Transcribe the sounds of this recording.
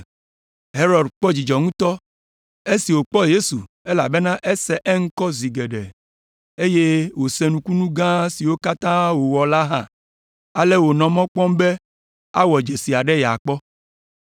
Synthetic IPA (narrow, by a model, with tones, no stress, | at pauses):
ɦe˦ɾɔ˨ɖk͡pɔ˦d͡ʑi˨d͡ʒɔ˨ŋũ˦t̪ɔ˦ | e˦si˨wo˨k͡pɔ˦je˦su˨ | e˦la˨be˦nã˦ʔe˦sɛ˦ʔɛ˦ŋ̩˦kɔ˦zi˨ɡe˨ɖɛ̰˨ | e˦je˦wo˨se˨nũ˨˦ku˦nũ˦ɡã˦si˨wo˦ka˦t̪ã˦wo˨wɔ˨la˦ɦã˦ | a˨le˦wo˨nɔ̃˨mɔ̃˦k͡pɔ̃˦mbe˦ | a˦wɔ˨d͡ʒe˨si˨a˨ɖe˦ja̰˨k͡pɔ˦